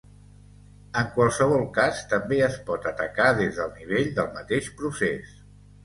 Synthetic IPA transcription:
əŋkwalˠsəβ̞ɔlˠkast̪əmbeəspɔt̪ət̪əkaðezðəlˠniβ̞eʎd̪əlˠmət̪eʃpɾusḛs

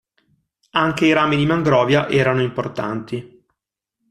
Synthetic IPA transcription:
aŋk̟eiɾaːmid̪imaŋɡɾɔːvjaʔɛːɾanoimport̪a̰nt̪i

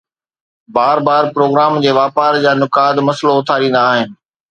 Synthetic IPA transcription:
baːɾbaːɾpɾoːɡɾaːmd͡ʑeːʋaːpaːɾd͡ʑaːnʊkaːd̪mɐsloʊt̪ʰaːɾĩːn̆d̪aːɦɪnɪ̆

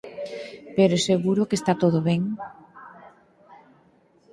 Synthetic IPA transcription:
peɾoseɣuɾokest̪at̪oðoβeŋ

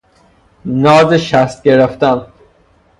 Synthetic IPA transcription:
nɔːzeʃast̪̚ɡeɾeft̪an

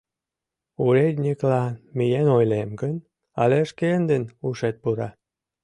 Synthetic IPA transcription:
uɾed̪ʲnʲiklɑnmijenojlemɡən | ɑ̰leʃkend̪ənuʃet̪̚puɾɑ

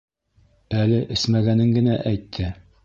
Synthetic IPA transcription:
ælɘʔɘ̆smæɡænɘŋɡɘ̆næʔæjt̪ʰːɘ

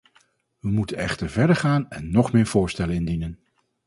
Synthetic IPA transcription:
ʋəmutənɛχtəɹvɛɹdəɹχaːnɛnːɔχmɪːɹv̥ʊːɹstɛlənɪndinən

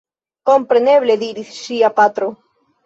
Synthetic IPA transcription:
kompɾeneβleðiɾiθsiapat̪ɾo

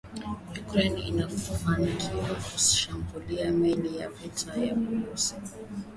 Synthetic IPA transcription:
jukɾɛnḭnakamanikʰiwakuʃambuliamɛlija̰vitʰaja̰uɾusi̥

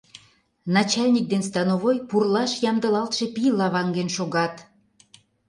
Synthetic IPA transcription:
nɑt͡ɕɑlʲnʲik̚d̪enst̪ɑnoβojpurlɑʃjɑmd̪ə̆lɑlt̪ʃe̽pilɑβɑŋɡenʃoɣɑt̪

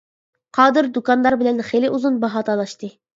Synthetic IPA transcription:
qʰɑːd̪ɨɾd̪ukɑnlːˠɑɾbɪlɛnχelɪʔuzunbɑɦɑːt̪ʰɑlˠɑʃt̪ɨ

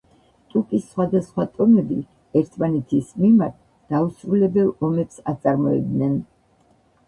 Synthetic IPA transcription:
t̪ʼukʼisːχwad̪asχwat̪ʼɔmɛbi | ɛɾt̪ʰmanɛt̪ʰismimaɾt̪̚ʰ | d̪̥ausɾulɛbɛlˠɔmɛpsat̪sʼaɾmɔɛ̰bd̪nɛn

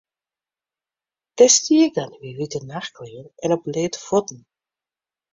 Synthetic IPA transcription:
tɛstiːɡanʋiʋitənaxkleːnɛnəbleːtfɔtn̩

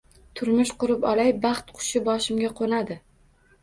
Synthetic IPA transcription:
t̪ʰʊɾmɪʃqʊɾɪpɒlajbɑχt̪qʰʊ̥ʃɪbɒʃɪmɡʲaqʰonad̪ɪ

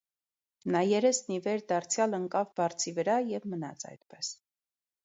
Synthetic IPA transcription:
nɑjɛɾɛsnivɛɾd̪ɑɾt͡sʰjɑləŋkɑvbɑɾt͡sʰivəɾɑjɛvmənɑ̰t͡sʰɑ̰jt̪pɛs

